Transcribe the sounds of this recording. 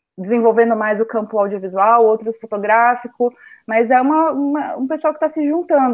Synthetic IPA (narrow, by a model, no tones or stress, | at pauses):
d͡ʒɪzẽvowvẽnd̪ʊmajzʊkɐ̃mpʊawd͡ʒiovizuawowt̪ɾʊsfot̪oɡɾafikʊmɐzɛũmɐũmɐũpesuawkɪ̥t̪asɪʒũnt̪ɐ̃nd̪